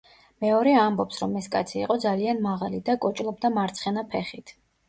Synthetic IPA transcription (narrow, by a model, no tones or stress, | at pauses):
mɛɔɾɛambɔpsɾɔmɛskʼa̰t̪sʰiːqʼɔd̪zalianmaʁalid̪akʼɔt͡ʃʼlˠɔb̚d̪amaɾt̪sʰχɛnapʰɛχit̪ʰ